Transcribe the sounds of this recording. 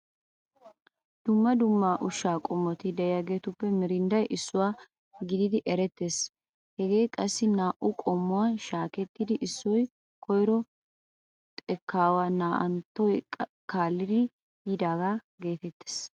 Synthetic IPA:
d̪̥ʊmːɐd̪ʊmːaːʔʊʃːaːkʼɔmːɔt̪ɪd̪ɛjjɐɡe̞ːt̪ʊpːɛmɪɾɪnd̪ɐjʔɪsːʊwaː | ɡɪd̪ɪd̪ɪʔɛɾɛt̪ːe̞ːs | hɛɡe̞ːjkʼɐsːɪnaːʔʊkʼɔmːʊwaːʃaːkɛt̪ːɪd̪ɪʔɪsːɔj | kʰɔjɾɔ | t̪ʼɛkːaːwaːnaːʔɐ̰nt̪ːɔj | kaːlːɪd̪ɪ | jid̪aːɡaː | ɡe̞ːt̪ɛt̪ːe̥ːs

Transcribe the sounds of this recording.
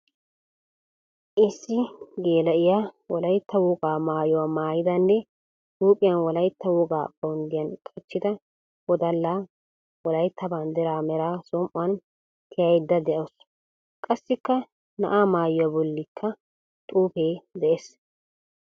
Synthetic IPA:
ʔɪsːɪɡe̞ːlɐʔɪjawɔlɐjt̪ːɐwɔɡaːmaːjɔwamaːjɪd̪ɐnːɛ | t̪uːpʼɪjɐnwɔlɐjt̪ːɐwɔɡaːbʼɐwʊnd̪ɪjɐnkʼɐt͡ʃːɪd̪ɐ | wɔd̪ɐlːaː | wɔlɐjt̪ːɐband̪ɛɾaːmɛɾaːsɔmʔʊwɐn | t̪ʰɪjɐjd̪ːɐd̪ɛʔɐws | kʼɐsːɪkːɐ | nɐ̰ʔaːmaːjʊwabɔlːɪkʰːɐ | t̪ʼuːpeːd̪ɛʔes

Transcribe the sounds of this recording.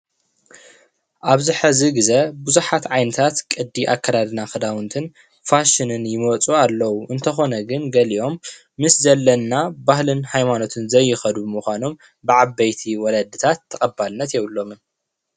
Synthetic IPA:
ʔaβzɨħɨziɡɨzɐbuzuħat̪ʕajnɨt̪ʰat̪kʼɨd̪ːiʔakʰːɐd̪ad̪naxɨd̪awɨnt̪ʰɨn | faʃɨnɨnjɪmɐt͡sʼualːɐwuʔɨnt̪ʰɐxo̞nɐɡɨnɡɐliʔo̞mː | ɨszɐlːɐnːabahlɨnhajmano̞t̪ʰɨnzɐjːɪxɐd̪ubmuxʷano̞m | bɨʕabɐjt̪ʰiwɔlɐd̪ɨt̪ʰat̪ʰːɐxʼɐbalɨnːɐt̪jewlːo̞mɨn

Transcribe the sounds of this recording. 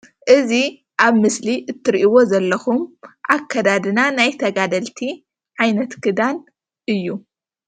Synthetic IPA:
ʔɨzi | ʔaβmɨsliʔɨt̪ʰːɨɾʔiwo̞zɐlːɐxumʔakʰːɐd̪ad̪ɨnanajt̪ʰɐɡad̪ɐlt̪ʰi | ʕajnɐt̪kʰɨd̪an | ʔɨjːu

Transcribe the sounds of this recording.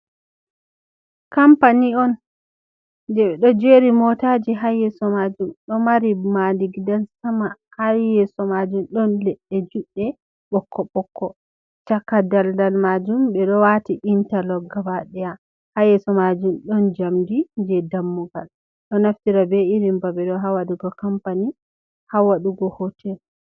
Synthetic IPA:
kampaniɔn | dɛɓɛɗɔd͡ʒeɾimɔtad͡ʒiɦajɛsɔmad͡ʒumɗɔmaɾimadiɡdansamahajɛsɔmad͡ʒumɗɔnlɛɗːɛd͡ʒuɗːɛ | ɓɔkʰːɔɓɔkːɔ | t͡ʃakːadaldalmad͡ʒumɓɛɗɔwatiʔintalɔɡabaɗɛja | hajɛsɔmad͡ʒumɗɔnd͡ʒamdind͡ʒɛdamːuɡa̰l | ɗɔnaftiɾabeiɾimbabɛɗɔɦawaɗuɡɔkampani | hawaɗuɡɔhɔtʰɛl

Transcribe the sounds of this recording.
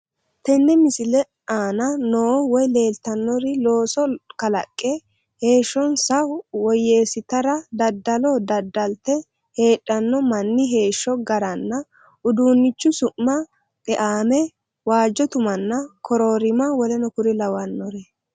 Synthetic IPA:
t̪ɛnːɛmɪsɪlɛ | aːnɐnoːwɔjle̞ːlt̪ɐnːɔɾɪlo̞ːsɔkɐlɐkʼːɛ | he̞ːʃːɔnsɐʊwɔje̞ːsɪt̪ɐɾɐd̪ɐd̪ːɐlod̪ɐd̪ːɐlt̪ːɛ | he̞ːɗːɐnːɔmɐnːɪɦe̞ːʃːɔɡɐɾɐnːɐ | ʊd̪uːnːɪt͡ʃːʊsʊʔmɐ | kʼɛʔaːmɛ | waːd͡ʒːɔt̪ʊmɐnːɐkʰɔɾoːɾɪmɐwɔlɛnɔkʊɾɪlɐwɐnːɔɾɛ

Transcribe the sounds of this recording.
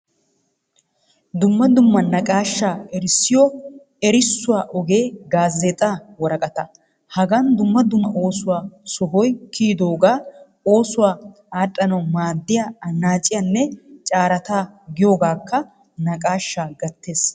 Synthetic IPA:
d̪ʊmːɐd̪ʊmːɐnɐkʼaːʃːaːɛɾɪsːɪjɔ | ɛɾɪsːʊwaːʔɔɡe̞ːɡaːzːɛt̪ʼaːwɔɾɐkʼɐt̪ɐ | hɐɡɐnd̪ʊmːɐd̪ʊmːɐʔo̞ːsʊwaːsɔɦɔjkʰiːd̪o̞ːɡaː | o̞ːsʊwaː | aːtʼːɐnɐwmaːd̪ːɪjaɐnːaːt͡ʃʼːɪjɐnːɛt͡ʃʼaːɾɐt̪aːɡɪjo̞ːɡaːkːɐ | nɐkʼaːʃːaːɡɐt̪ːe̞ːs

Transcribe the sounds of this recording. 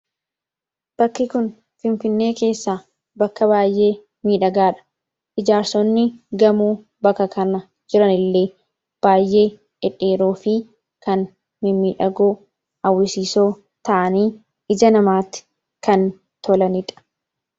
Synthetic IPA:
b̥ɐkːɪkʊn | fɪnfɪnːe̞ːke̞ːsːaː | bɐkːɐbaːjʔe̞ː | miːᶑɐɡaːᶑɐ̥ | ʔɪd͡ʒaːɾsɔnːɪɡɐmuː | bɐkːɐkɐnɐ | d͡ʒɪɾɐnɪlːe̞ː | b̥aːjːʔe̞ː | ɪᶑe̞ːɾoːfɪ | kɐn | mɪmiːᶑɐɡoː | ɐwːɪsiːso̞ː | t̪ɐʔɐniː | ɪd͡ʒɐnɐmaːt̪ɪ̥ | kɐn | t̪ʰɔlɐnɪᶑɐ̥

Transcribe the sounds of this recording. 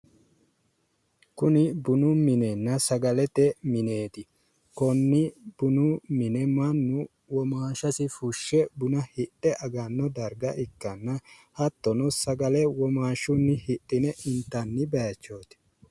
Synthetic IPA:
kʊnɪbʊnʊmɪnenːɐsɐɡɐlɛt̪ɛmɪne̞ːt̪ɪ | kɔnːɪb̥ʊnʊmɪnɛmɐnːʊ | wɔmaːʃɐsɪfʊʃːɛbʊnɐhɪtʼːɛʔɐɡɐnːɔd̪ɐɾɡɐʔɪkːɐnːɐhɐt̪ːɔnɔsɐɡɐlɛwɔmaːʃʊnːɪhɪtʼːɪnɛʔɪnt̪ːɐnːɪbɐjɐt͡ʃːo̞ːt̪ɪ̥

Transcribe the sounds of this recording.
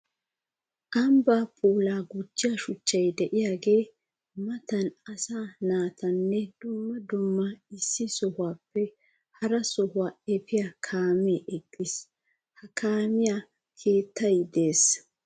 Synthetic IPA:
ʔɐmbaːpʼuːlaːɡʊd͡ʒːɪjaʃʊt͡ʃːɐjd̪ɛʔɪjaːɡe̞ː | mɐt̪ɐnɐsaːnaːt̪ɐnːɛd̪̥ʊmːɐd̪ʊmːɐɪsːɪsɔhʊwaːpːɛ | hɐɾɐsɔhʊwaːɛpɪjakʰaːmeːʔɛɡːɪs | hɐkʰaːmɪjaː | kʰeːt̪ːɐjd̪e̞ːs

